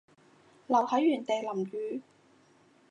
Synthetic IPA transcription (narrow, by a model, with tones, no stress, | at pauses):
lɐ˨˩whɐ˨˥jɥyː˨˩nt̪e˨jlɐ˨˩mjyː˨˧